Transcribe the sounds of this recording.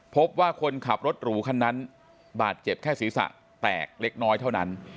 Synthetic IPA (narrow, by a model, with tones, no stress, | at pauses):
pʰo˦˥p̚waː˥˩kʰo˧nkʰa˨˩p̚ɾo˦˥t̪̚ɾuː˩˦kʰa˧nːa˦˥n | baː˨˩t̪̚t͡ɕe˨˩p̚kʰɛː˥˩siː˨˩˦sa̰˨˩ʔ | t̪ɛ̰ː˨˩k̚le˦˥k̚nɔː˦˥jt̪ʰa˥˩wna˦˥n